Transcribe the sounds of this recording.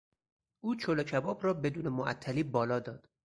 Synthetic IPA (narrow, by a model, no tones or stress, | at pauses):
ʔuːt͡ʃʰolocʰæbɒːbɾɒːbe̞d̪uːnemoʔæ̰t̪ʰːæliːbɒːlɒːd̪ɒːd̪̥